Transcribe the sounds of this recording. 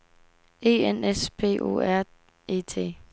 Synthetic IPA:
e̝̰ːenespʰe̝̰ːʔo̝̰ːæɐ̰ | e̝̰ːt͡sʰe̝̰ː

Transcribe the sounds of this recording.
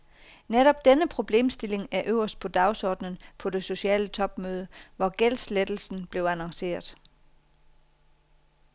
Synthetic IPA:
neɾ̥ɒ̽b̥̚d̥enəpʰʁo̝b̥le̝̰ːmsd̥e̝le̝ŋæɐʔøʊ̰ɐsd̥̚pʰɒ̽d̥ɑ̈ʊsɒ̰ːd̥nən̩pʰɒ̽de̝so̝ɕiɛ̰ːlət͡sʰɒ̽b̥møːð̞ˠəʋɒɡ̥el̰sled̥l̩sn̩b̥le̝ʊænɑŋse̝̰ːɐðˠ

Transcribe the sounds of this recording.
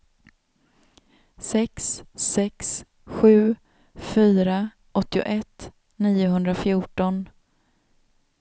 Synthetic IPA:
sɛkssɛks | ɧʉ̟ː | fyːɾa | ʔɔt̪ːɪʊ̰ʔɛt̪ː | niːʊɦɵnd̪ɾafjuːʈɔn

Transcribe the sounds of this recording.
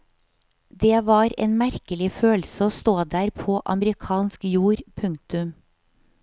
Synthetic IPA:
d̪eːʋɑːɾḛːnmæɾkəlɪføːlsəoːst̪oːd̪æːɾpʰoːʔɑməɾɪkʰɑːnskjuːɾpʰʉŋk̚t̪ʉm

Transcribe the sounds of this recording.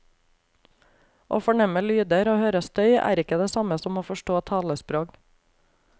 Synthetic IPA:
ʔo̰ːfɔɳɛməlyːd̪əɾoːhøːɾəst̪œʏʔæ̰ːɾɪkəd̪eːsɑməsɔmoːfɔʃʈoːt̪ʰɑːləspɾoːk

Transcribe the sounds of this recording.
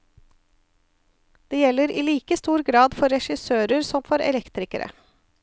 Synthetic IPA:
d̪̥eːjɛlːəɾiːliːkəst̪uːɾɡɾɑːd̪fɔɾɛʃɪsøːɾəɾsɔmfɔɾɛ̰lɛkt̪ɾɪkəɾə̰

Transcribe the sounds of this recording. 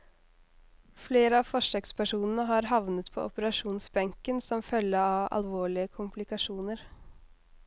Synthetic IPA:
fleːɾəɑfɔʂəːkspʰæʂuːnən̩əɦɑɾɦɑʋnət̪pʰo̰ːɔpəɾɑʂuːnsbɛŋkənsɔmfœlːəɑːʋɑ̰lʋoːɭɪəkʰʊmpʰlɪkɑʂuːnəɾ

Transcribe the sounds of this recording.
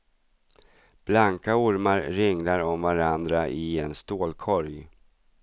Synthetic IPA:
b̥laŋkaʊɾmaɾɾɪŋlaɾɔmvaɾand̪ɾaʔɪɛnst̪oːlkʰɔɾj

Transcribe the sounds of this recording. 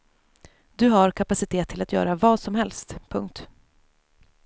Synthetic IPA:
d̪ɵɦaɾkʰapasɪt̪ʰeːt̪ʰːɪlat̪ʰjœ̰ːɾavɑːsɔmɦɛlst̪pʰɵŋk̚t̪

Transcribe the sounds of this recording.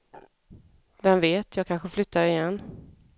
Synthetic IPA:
vɛmveːt̪jɑːɡkʰanɧəflʏt̪ːaɾɪjɛnː

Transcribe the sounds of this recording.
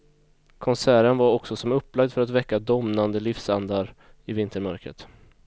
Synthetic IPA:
kʰɔnsæːɾənvaɾɔksɔsɔmɵpːlaɡd̪fœɾat̪vɛkːad̪ɔmnand̪əlɪfsand̪aɾ | ɪvɪnt̪əɾmœɾkɾə̰t̪

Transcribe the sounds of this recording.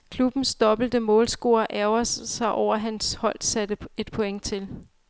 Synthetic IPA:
kʰlub̥n̩sd̥ɒ̽b̥l̩d̥əmɔ̽ːlsɡ̥o̝̰ːɐʔæɐʊɐssɑ̈ɪʔɒʊ̰ɐɦænshɒ̽l̰̥sæd̥əe̝d̥̚pʰo̽eŋ̰t͡sʰe̝l

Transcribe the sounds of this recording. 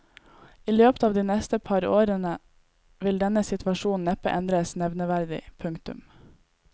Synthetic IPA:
iːløːpə̥t̪ʰɑːʋd̪iːnɛst̪əpʰɑɾoːɾənə | ʋɪld̪ɛnəsɪt̪ʰʋɑʃuːn̩ɛpəʔɛnd̪ɾəsnɛʋnəʋæɾd̪ɪ̰pʰʉŋkt̪ʉ̰m

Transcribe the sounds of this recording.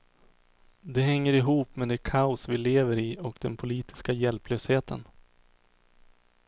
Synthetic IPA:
d̪ɛɦɛŋːəɾɪɦuːpmɛd̪ɛkʰaʊsvɪleːvəɾɪɔkd̪ɛnpʰʊliːt̪ɪ̥skajɛlpløːsheːt̪ʰə̰n

